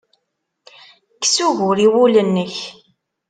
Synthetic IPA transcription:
kːsuʝʊɾiwulənːəç

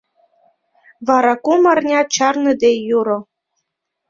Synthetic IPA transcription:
vɑɾɑkumɑrnʲɑt͡ɕɑrnɤ̆d̪ejuɾo

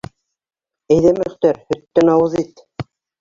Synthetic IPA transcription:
æjðæmɵ̆χt̪æɾhɵ̆t̪ːænɑwɤ̆ðit̪

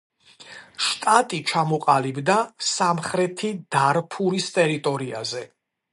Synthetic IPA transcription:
ʃt̪ʼat̪ʼit͡ʃʰamɔqʼalibd̪asamχɾɛt̪ʰid̪̥aɾpʰuɾist̪ʼɛɾit̪ʼɔɾia̰zɛ

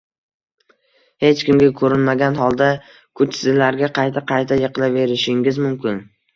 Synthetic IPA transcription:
he̞t͡ʃkʲɪmɡʲakʰɵɾɪnmaɡʲanɦɒlˠd̪a | kʰʊt͡ʃsɪzlaɾɡʲaqʰɑjt̪ʰaqʰɑjt̪ʰajɨqlˠave̞ɾɪʃɪŋʲɪzmʊmkʲɪn

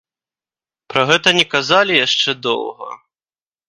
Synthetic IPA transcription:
pɾɐɣɛt̪ɐnʲɛkazalʲijaʂt͡ʂɛd̪ɔ̰wɣɐ̰

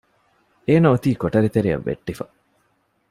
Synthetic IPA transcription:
eːnɐut̪iːkoʈɐɾit̪eɾiɐ̰ʋːḛʈːifɐ

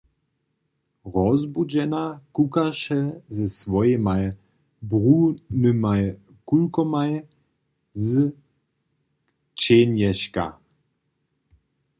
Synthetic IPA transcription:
ʁɔzbud͡ʒɛnakukaʃɛzɛsvɔjemaj | bʁunɨmaj | kulkɔmaj | z | t͡ʃenjɛʃka̰

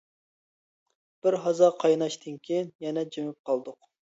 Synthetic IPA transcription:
b̥ɪɾɦɑzɑqʰɑjnɑʃd̪ɨnkʲʰijinjɛnɛd͡ʒemɪp̚qʰɑlˠd̪ʊq

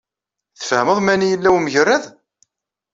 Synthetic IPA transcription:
θə̥fhəməðˤmænijəlːæwməʝərːæð

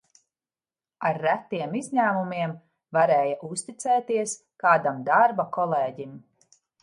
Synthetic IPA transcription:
aɾːæt̪ːiɛmizɲæːmumiɛm | vaɾɛːjaʔust̪it̪sɛːt̪iɛs | kaːd̪amd̪aɾbakɔlˠɛːɟim

